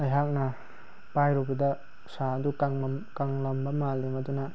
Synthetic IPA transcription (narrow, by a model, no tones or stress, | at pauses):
ɐjɦak̚na | pajɾubid̪a | sadukaŋkaŋlɐmbɐmaldimaduna